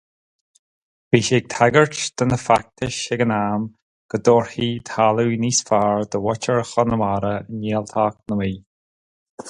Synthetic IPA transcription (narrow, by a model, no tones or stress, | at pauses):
biːʃɪɡ̚t̪ʰaɡəɹt͡ʃd̪̥ənəfak̚t̪ʰəʃɪɡənaːm | ɡ̥əd̪oːɹhiːt̪ʰaluniːsfaːɹd̪əwɔt͡ʃəɹxɔnəmaɾəəniːəlt̪ʰaːk̚nəwiː